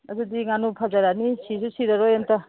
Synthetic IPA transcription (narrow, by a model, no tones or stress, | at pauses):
adudiŋanupʰazaɾanisisusiɾaɾojanta